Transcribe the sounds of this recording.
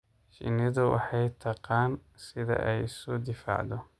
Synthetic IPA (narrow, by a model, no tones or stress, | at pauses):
ʃɪ̰nɪðʊwɑ̰ħɑjt̪ʰɑqɑːn | sɪðɐ̰ʔɛjɪsʊd̪ɪfa̰ːʕd̪ɔ